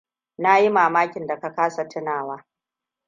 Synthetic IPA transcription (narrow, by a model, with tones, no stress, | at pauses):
na˦ji˦maː˨maː˦kʲɪ˨nda˨ka˨kaː˦sa˨tʰɪ˦naː˨waː˦